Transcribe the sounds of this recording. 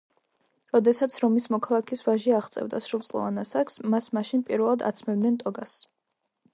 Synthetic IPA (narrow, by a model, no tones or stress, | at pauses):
ɾɔd̪ɛsat̪sʰɾɔmismɔkʰalˠakʰisvaʒiaʁt̪sʼɛ̰vd̪asɾulˠt̪sʼlˠɔ̰vanasaksmasmaʃinpʼiɾvɛlˠad̪a̰t̪sʰmɛbd̪nɛnt̪ʼɔɡas